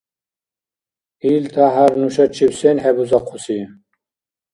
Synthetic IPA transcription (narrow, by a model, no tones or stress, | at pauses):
ilt̪ʰaɦaɾnuʃat͡ʃʰiwsenhɛbuzaqʰusi